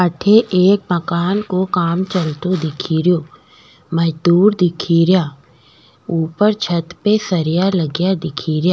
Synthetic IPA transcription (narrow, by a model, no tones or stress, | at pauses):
əʈʰeʔeːk̚mɐkaːnkokaːmt͡ʃɐlt̪od̪ɪkʰiːɾjoː | məd͡ʒd̪uːɾd̪ɪkʰiɾjaː | uːpəɾt͡ʃʰət̪pesɐɾɪjaləɡjad̪ɪkʰiːɾjaː